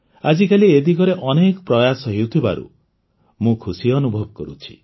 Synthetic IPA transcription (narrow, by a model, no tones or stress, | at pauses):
ad͡ʒikalied̪ikɔɾeʔɔnekɔpɾɔjasɔɦewt̪ʰiba̰ɾṵ | mũkʰusiɔnubʱɔbɔkɔɾṵt͡ʃʰi̥̰